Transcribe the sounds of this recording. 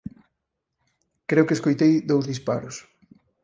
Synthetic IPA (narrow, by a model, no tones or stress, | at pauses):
kɾeʊkeskojt̪ejðowzðispa̰ɾʊs